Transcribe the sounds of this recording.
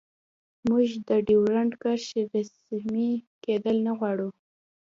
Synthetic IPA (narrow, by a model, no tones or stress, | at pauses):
muʒd̪əɖiwɾaɳɖkaɾʃeɾasmiked̪əlnaɣwɑɽu